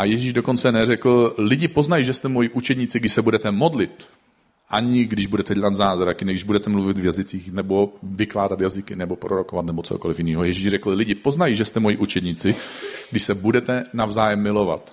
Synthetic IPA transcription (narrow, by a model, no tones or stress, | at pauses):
ʔajɛʒiːʒdo̞ko̞nt͡sɛnɛrɛkl̩lɪɟɪpo̞znajiʒɛst̪ɛmojiʔut͡ʃɛd̪ɲɪt͡sɪɡdɪʃsɛbudɛt̪ɛmo̞dlɪt̪ | ʔaɲɪɡdɪʒbudɛt̪ɛɟɛlat̪zaːzɾakɪnɛɡɪʒbudɛt̪ɛmluvɪt̪vjazɪt͡siːxnɛbo̞vɪklaːdat̪jazɪkɪnɛbo̞pɾʔoɾoko̞vat̪nɛbo̞t͡sohoko̞lɪfjɪniːɦojɛʒiːʒrɛkl̩lɪɟɪpo̞znajiʒɛst̪ɛmojiʔut͡ʃɛd̪ɲɪt͡sɪɡdɪʃsɛbudɛt̪ɛnavzaːjɛmːɪlo̞va̰t̪